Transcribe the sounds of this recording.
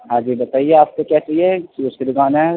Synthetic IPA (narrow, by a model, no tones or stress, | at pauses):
ɦãːd͡ʒiːbɐt̪aːieaːp̚kekjaːt͡ʃaːiekiʊsked̪ɪɡaːnaɛ